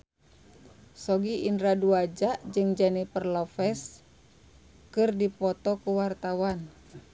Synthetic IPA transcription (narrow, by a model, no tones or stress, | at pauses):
sɔɡiʔinɾaduad͡ʒaʔd͡ʒɨŋd͡ʒanipərlɔfɛs | kɨrdipɔt̪ɔkuwart̪awan